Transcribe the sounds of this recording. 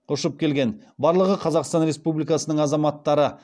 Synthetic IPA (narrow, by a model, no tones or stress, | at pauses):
ʊʃəp̚kʲʰe̞lɡʲe̞n | bɑɾlˠəʁəqʰɑzɑqst̪ɑnɾe̞spublijkɑsənəɴɑzɑmɑt̪ːɑɾə